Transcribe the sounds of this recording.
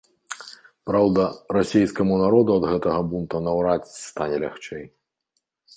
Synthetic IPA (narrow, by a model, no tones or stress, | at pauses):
pɾawd̪ɐrasʲejskɐmunaɾɔd̪uɐd̪ɣɛt̪ɐɣɐbunt̪ɐnɐwɾat͡sʲst̪anʲɛlʲa̰xt͡ʂɛj